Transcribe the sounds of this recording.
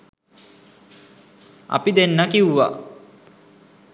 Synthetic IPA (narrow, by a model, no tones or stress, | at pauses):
a̰pid̪enːakiwʋa̰